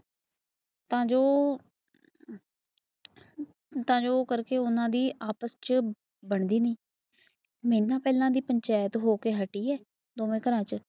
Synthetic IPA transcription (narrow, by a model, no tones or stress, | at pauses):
t̪ãːd͡ʒoː | t̪ãːd͡ʒoːkəɾkeːʊnãːd̪iːʔaːpəst͡ʃ | bəɳd̪iːnĩː | mẽːnãːpɛːlãːd̪iːpəɲt͡ʃɛːjət̪ɦoːkeːɦəʈiːɛː | d̪oːmẽːkəɾãːt͡ʃ